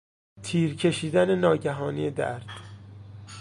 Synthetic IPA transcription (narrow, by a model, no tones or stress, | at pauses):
t̪ʰiːɾcʰe̞ʃiːd̪æne̞nɒːɟæɦɒːnijed̪æ̰ɾd̪̥